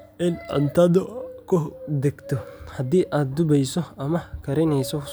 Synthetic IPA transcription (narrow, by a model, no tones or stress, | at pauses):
ʔɪnɐ̰nt̪ɐd̪ɔkʰʊd̪ɛɡt̪ʰɔhɐd̪iːʔaːd̪̚d̪ʊbɛjsɔɐmɐkʰɐɾɪnɛjsɔ